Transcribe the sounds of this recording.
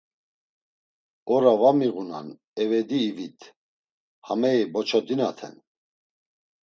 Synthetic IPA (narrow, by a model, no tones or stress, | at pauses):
ɔɾavamiɣuna̰n | ɛvɛd̪iːvit̪ʰ | hamɛibɔt͡ʃʰɔd̪inat̪ʰɛ̰n